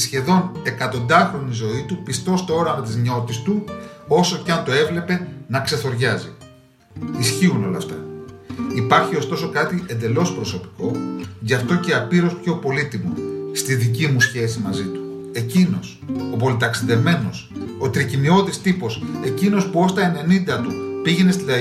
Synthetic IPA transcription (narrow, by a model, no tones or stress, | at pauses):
sçe̞ðo̞ne̞kɐt̪o̞nd̪ɐxɾo̞nizo̞it̪upist̪o̞st̪oo̞ɾɐmɐt̪izɲo̞t̪ist̪uo̞so̞cɐnt̪o̞e̞vle̞pe̞nɐkse̞θo̞ɾʝɐzḭ | isçiuno̞lɐ̰ft̪ɐ | ipɐɾçio̞st̪o̞so̞kɐt̪ie̞nd̪e̞lo̞spɾo̞so̞pi̥ko̞ʝɐft̪o̞ce̞ɐpiɾo̞spço̞po̞lit̪imost̪iðicimusçe̞simɐzit̪u̥ | e̞cino̞s | o̞po̞lit̪ɐksiðe̞vme̞no̞sot̪ɾicinio̞ðist̪ipo̞se̞cino̞spuo̞st̪ɐe̞ne̞nind̪ɐt̪upiʝe̞nest̪id̪ɐ